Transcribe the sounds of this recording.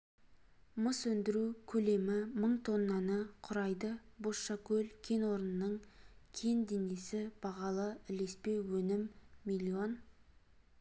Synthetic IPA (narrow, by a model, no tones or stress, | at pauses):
məswɵnd̪ɪɾukʲʰɵle̞mɪməɴt̪ʰo̞nːɑnəqʰʊɾɑjd̪əboɑkʲʰɵlkʲʰe̞nwo̞ɾənənəɴkʲʰe̞nd̪enesɪb̥ɑʁɑlˠəɪle̞spe̞wɵnɪmːilʲio̞n